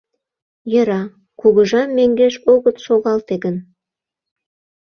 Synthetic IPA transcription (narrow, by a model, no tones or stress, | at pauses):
jə̆ɾɑ | kuɣə̆ʒɑmːeŋɡeʃoɣət̪ʃoɣɑlt̪eɡən